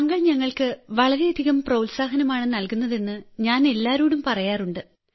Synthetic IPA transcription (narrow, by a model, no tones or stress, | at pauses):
ɐŋːɐɭɲɐŋːɐɭkɨʋɐɭɐɾe̞ɐd̪ʱiɣɐmprɐwlsaːɦɐnɐmaːɳɨnɐlkunːɐðe̞nːɨɲaːne̞lːaːɾuːɽumpɐrɐjaːruɳɖɨ